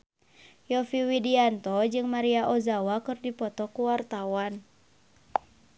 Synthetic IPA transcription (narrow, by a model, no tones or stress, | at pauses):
jɔfiwidiant̪ɔd͡ʒɨŋmaɾiaʔɔzawakɨrdipɔt̪ɔkuwart̪awan